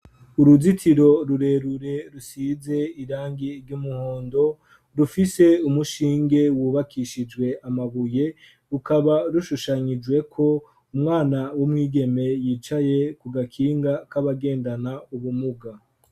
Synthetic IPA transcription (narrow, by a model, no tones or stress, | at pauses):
uɾuzitʰiɾo̞ɾuɾe̞ɾuɾe̞ɾusize̞iɾaːŋɡiɾɟumuhoːndo̞ | ɾufise̞umuʃiːŋɡe̞wuːβakʰiʃid͡ʒwe̞amaβuje̞ | ɾukaβaɾuʃuʃaɲid͡ʒwe̞kʰo̞ | umŋaːnawumŋiːɡe̞me̞jiːt͡ʃaje̞kuɡakʰiːŋɡakaβaɡe̞ːndanauβumuɡa